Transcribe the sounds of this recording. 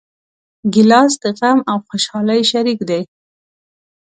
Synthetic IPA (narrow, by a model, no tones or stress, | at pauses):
ɡɪlɑs̬d̪əɣamawxʊʃɑlajʃaɾikd̪aj